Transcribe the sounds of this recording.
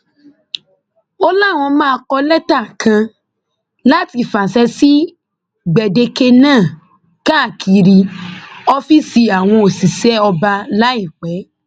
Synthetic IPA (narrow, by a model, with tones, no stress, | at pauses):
ɔ˦la˦˨w̃ɔ̃˧mãː˦˧kɔ˧lɛ˦ta˦˨kʰã˧ | la˦ti˧˦˨fã˨sɛ˧˦si˦ | ɡ͡bɛ˨de˧ke˧nãː˦˨ | ka˦˨kʰi˧ɾi˧ɔ˧fi˦si˧a˨w̃ɔ̃˧o˨si˨sɛ˨˦ɔ˧ba˧la˦i˦˨k͡pɛ˨˦